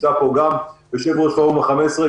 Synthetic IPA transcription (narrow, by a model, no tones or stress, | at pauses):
apoɡambeʃevuʁʃaomeχamesʁe